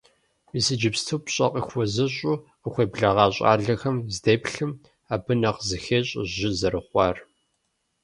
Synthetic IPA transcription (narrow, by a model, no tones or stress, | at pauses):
iːsɨd͡ʒɪpstʰuːpɕʼɐqʼḭxʷɔzɐɕʼuːqəxʷeːbɮɐʁɑːɕʼa̰ːɮɐxɐmzdeːpɬɨm | aːbɨnɐqzɨxeːɕʼʒɪzɐɾɨχʷɑːr